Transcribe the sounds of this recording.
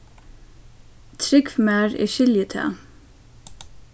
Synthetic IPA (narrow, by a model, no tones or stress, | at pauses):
t̪ʰɾɪɡfmæːɹḭːʃɪljət̪ʰḛː